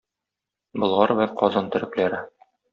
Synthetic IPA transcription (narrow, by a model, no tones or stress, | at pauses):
bɤ̆lˠʁɑɾbæqʰɒzɑnt̪ɵ̆ɾɘ̆klæɾɘ